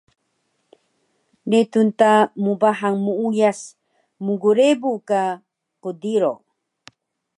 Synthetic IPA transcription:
net̪unt̪amubaɦaŋmuujas | muɡuɾebuka | qod̪iɾo

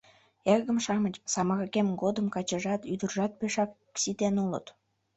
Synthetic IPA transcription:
eɣəmʃɑmət͡ɕsɑmɑɣəkemɡod̪əmkɑt͡ɕəʒɑt̪yd̪ərʒɑt̪̚peʃɑk | sit̪enulə̰t̪

